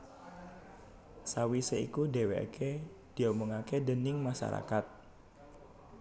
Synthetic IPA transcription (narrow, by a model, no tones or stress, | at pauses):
sawiseikuɖewḛa̰kʰe | d̪̥i̤omɔŋakedənɪŋmaʃa̰ɾa̰kat̪̚